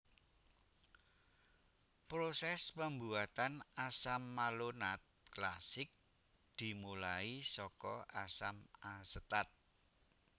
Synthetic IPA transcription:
pɾosɛspəmbuat̪anasamːalonat̪̚klasɪk̚ | d̪̥i̤mulaisɔkɔʔasamasət̪at̪̚

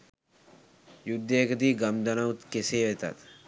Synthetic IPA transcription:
jud̪ːeekəd̪iːɡɐmd̪ɐnɐut̪keseːʋet̪ɐ̰t̪

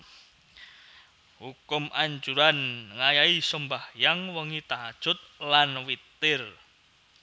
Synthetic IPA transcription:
hukʊmaɲt͡ʃuɾanŋajaisəmbahjaŋwəŋit̪aad̥ʒ̥ʊt̪̚lanwit̪ɪr

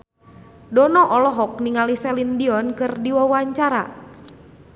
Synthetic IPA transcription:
dɔnɔʔɔlɔɦɔk̚niŋalisɛlindiɔnkɨrdiwawaɲt͡ʃaɾa̰

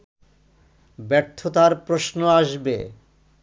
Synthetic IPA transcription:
bɛɾt̪ʰːot̪aɾpɾoʃnoaʃbḛ

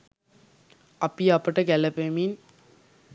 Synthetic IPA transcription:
ɐpːijapːɐʈːɐkɛlɐpemin

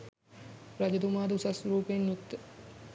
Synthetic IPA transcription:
pɾɐd͡ʒɐd̪umaːd̪usɐsɾuːpenːut̪ː

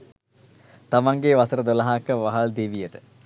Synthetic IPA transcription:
t̪amɐŋɡeːʋɐsɐɾəd̪olɐɦakːəʋaɦɐɭd̪iʋijəʈɨ̥

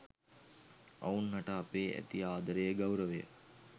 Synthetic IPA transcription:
ɐ̰unːɐʈəːpeːʔæ̰t̪iaːd̪əɾejəɡɐwɾəʋejə̰

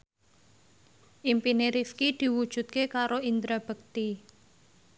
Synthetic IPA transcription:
ʔimpineɾifkid̪̥i̤wud̥ʒ̥ṳt̪̚kekaɾoind̪ɾab̥ə̤k̚t̪i

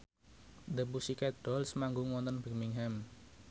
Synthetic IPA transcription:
d̪əbusikɛt̪̚d̥ɔlsmaŋɡʊŋwɔnt̪ənbɛmiŋɦɛm

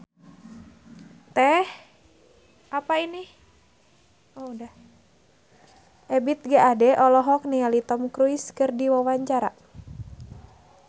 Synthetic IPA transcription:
t̪ɛh | ʔapaini | oudah | ʔɛbit̪̚ɡaʔadɛʔɔlɔɦɔk̚nialit̪ɔmkɾuiskɨrdiwawaɲt͡ʃaɾa̰

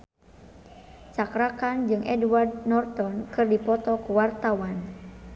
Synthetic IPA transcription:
t͡ʃakɾakand͡ʒɨŋʔɛdward̪̚nɔrt̪ɔnkɨrdipɔt̪ɔkuwart̪awan

